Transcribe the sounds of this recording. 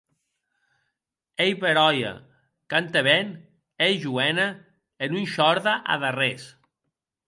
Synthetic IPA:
ejβeɾɔja̰ | kant̪eβɛn | ejʒuɛna | enunʃɔɾðaʔa̰ðares

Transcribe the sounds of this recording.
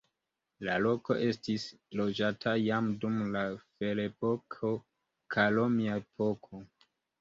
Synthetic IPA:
lalo̞ko̞ʔe̞stis | lo̞d͡ʒatʰajamdumlafe̞lepo̞kʰo | kʰalomiaepʰo̞kʰo

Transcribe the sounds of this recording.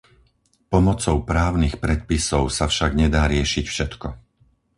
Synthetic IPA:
pɔmɔt͡sɔʊpɾaːʊnixpɾɛt̪̚pisɔʊsafʃaɡɲɛd̪aːɾɪɛʃicfʃɛt̪kɔ

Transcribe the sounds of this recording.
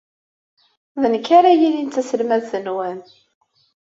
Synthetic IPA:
ðənkːaɾajilint̪ːæsəlmæðθənwæn

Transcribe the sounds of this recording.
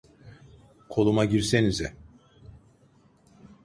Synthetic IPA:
kʰo̞lˠumaɟiɾsenizɛ

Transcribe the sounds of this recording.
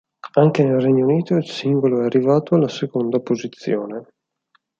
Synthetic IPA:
aŋkenelrɛɲːouniːt̪oilsiŋɡoloɛarːivaːt̪oalːasekond̪apozit̪sːjoːne

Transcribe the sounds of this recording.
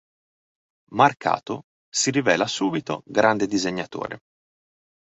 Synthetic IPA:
markʰa̰ːt̪o | siɾivɛːlasuːbit̪o̰ɡɾand̪ed̪izeɲːat̪o̰ːɾḛ

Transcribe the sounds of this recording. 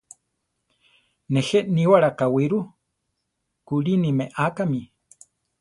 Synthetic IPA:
nexeniwaɺakawiɾu | kuɺinimeʔakami

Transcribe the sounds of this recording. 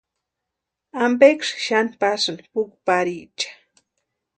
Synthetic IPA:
ambekʂʃanpasmpʊkpaɾit͡ʃḁ

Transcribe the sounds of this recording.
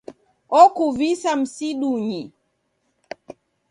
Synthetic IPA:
ɔkuvisam̩siɗuɲi

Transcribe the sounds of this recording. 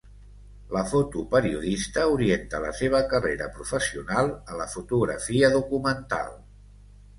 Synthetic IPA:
ləfot̪upəɾiuðist̪əuɾient̪ələ̰seβ̞əkəreɾəpɾufəsiunalˠələfut̪uɣɾə̰fiəðukumənt̪a̰lˠ

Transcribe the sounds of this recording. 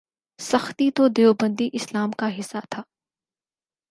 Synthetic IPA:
sɐxt̪it̪od̪eːobə̃nd̪iʔɪslaːmkaɦɪsːat̪ʰaː

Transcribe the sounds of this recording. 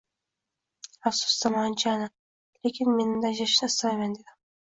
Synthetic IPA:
afsʊ̥szamɒnt͡ʃʰana | lekʲʰɪnme̞nɪmd̪aʒaʃnɪɪst̪vajmand̪ed̪ɪ

